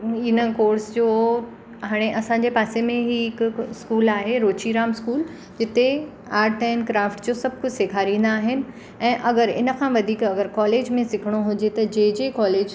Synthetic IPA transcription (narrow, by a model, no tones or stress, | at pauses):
ɪnəkoːɾsd͡ʑoː | ɦaːɽ̃eʔɐsãɲd͡ʑepaːsemẽɦiɪkskuːlaːɦeɾoːt͡ɕiɾaːmskuːl | d͡ʑɪt̪e | aːɾɖʈɛ̃ːɪnkɾaːfʈd͡ʑoːsɐb̚ʱkʊd͡ʑʱseːkʰaːɾĩːn̆d̪aːɦɪnɪ̆ | ɛ̃ːʔɐɡəɾɪ̰nə̆kʰãʋɐd̪ʱiːkɐɡəɾkɔːleːd͡ʑmẽsɪkʰɪɽ̃oɦʊd͡ʑet̪ɐd͡ʑɐɦɪd͡ʑekɔːleːd͡ʑ